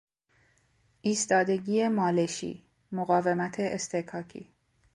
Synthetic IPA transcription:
ʔiːst̪ɒːd̪e̞ɟiːemɒːleʃḭː | moɣɒːve̞mæt̪ʰeʔːst̪ekʰɒːcʰḭː

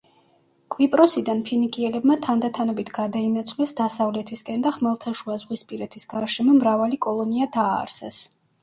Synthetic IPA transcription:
kʼvipʼɾɔsid̪anpʰinikʼiɛlɛbmat̪ʰand̪at̪ʰanɔbit̪ʰɡad̪ainat̪sʰʼvlɛsd̪asavlɛt̪ʰiskʼɛnd̪aχmɛlˠt̪ʰaʃuazʁwispʼiɾɛt̪ʰisɡ̥aɾʃɛmɔmɾavalikʼɔlˠɔniad̪aːɾsɛs

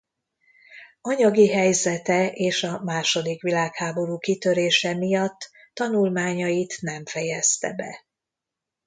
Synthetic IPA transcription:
ɒɲɒɡiɦɛjzɛt̪ɛʔeːʃɒmaːʃo̞d̪ikʋilaːkhaːbo̞ɾuːkit̪ø̞ɾeːʃɛmijɒt̪ː | ɒnulmaːɲɒjit̪nɛɱfɛjɛst̪ɛ̰bɛ̰

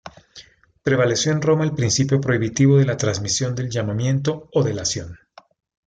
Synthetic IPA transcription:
pɾe̞βale̞sjo̞enro̞maelpɾinsipjo̞pɾo̞iβit̪iβ̞o̞ðe̞lat̪ɾanzmisjo̞nd̪e̞lʝamamje̞nt̪̬o̞ːðe̞lasjo̞n

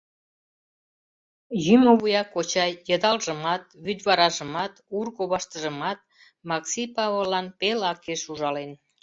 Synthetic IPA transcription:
jymoβujɑkot͡ɕɑjjəd̪ɑlʒəmɑt̪̚βyd̪βɑɾɑʒəmɑt̪urɣoβɑʃt̪əʒəmɑt̪̚ | mɑksipɑβolːɑnpelɑkeʃuʒɑlen

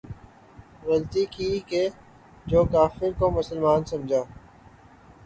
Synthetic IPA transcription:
ɣɐlt̪ikiːke | d͡ʒoːkaːfɪɾkomʊsəlmaːnsɐmd͡ʒʱaː

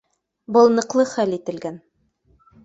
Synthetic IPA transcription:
bɤ̆lˠnɤ̆qlˠɤχælit̪ɘ̆lɡæn

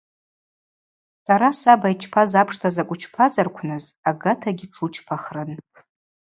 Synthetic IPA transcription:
saɾasabajt͡ʃʰpʰazapʰʂtʰazakʷʼʊt͡ʃʰpʰat͡sʼarkʷʰnɨzaɡatʰaɡʲɪʈ͡ʂʰut͡ʃʰpʰaχrɨn

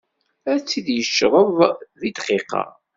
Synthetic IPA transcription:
æt͡sːid̪jəʃːʁəðˤðid̪qiqɑ̰

